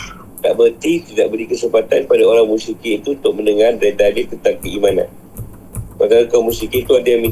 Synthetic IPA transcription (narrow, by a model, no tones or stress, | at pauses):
t̪a̰ʔbərt̪it̪idaʔ̚bəlikəsəmpat̪anpadaoɾaŋmusikiːt̪uunt̪ʊk̚məndəŋardɾed̪adit̪ənt̪aŋkəimanã̰t̪̚ | pakalakamusikit̪uadaami